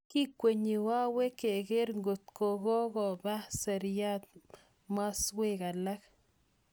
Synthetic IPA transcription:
ki˦kʷːe˨ɲi˨wa˦we˦ke˨ɡe˦ɾŋɡʊ˨t̪̚ko˨ɣo˦ɣo˨ba˦se˨ɾja˦t̪̚ | ma˦swe˦ɡa˨la˦k

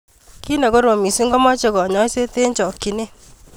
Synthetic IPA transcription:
ki˦nɛ˨kɔ˦ɾo˨mi˨si˦ŋɡɔ˦mɔ˦t͡ʃe˦kɔ˨ɲɔ˦i˦se˦te˦ɲt͡ʃɔ˨kːi˨ne˦

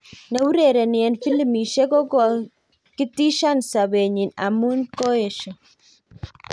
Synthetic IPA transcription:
nɛ˨wu˦ɾe˨ɾɛ˨njɛ˨nfi˦li˦mi˨ʃɛ˦kɔ˦kɔ˨ | ki˦ti˦ʃa˦˨nsa˨βe˨ɲi˨na̰˨mu˦nko˦e˨ʃɔ˨

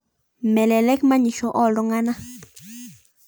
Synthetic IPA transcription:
me˨le˨le˦kma˦ɲi˨ʃo˨ʔo˦˨ldo˦ŋa˦na˦

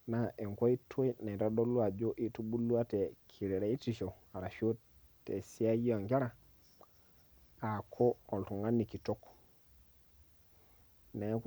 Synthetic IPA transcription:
na˨ʔe˨ŋko˦i˦tʰo˦i˦na˨ɾa˦do˦lu˦a˨d͡ʒo˦ʔi˦tu˦bu˦lu˦a˦te˨kʰi˨ɾe˨ɾa˨˦i˦ti˦˨ʃo˨ | a˨ɾa˨ʃo˦t | tːḛ˨si˦a˦ji˦o˨ŋke˦ɾa˨ | a˨kʰo˦o˨ltu˨ŋɡa˦nːi˨ki˨to˦k | na˨˦k

